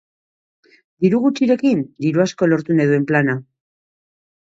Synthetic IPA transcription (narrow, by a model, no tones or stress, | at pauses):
d̪iɾuɣ̞ut͡ʃiɾe̞kind̪iɾuasko̞lo̞ɾt̪uneðue̞mplana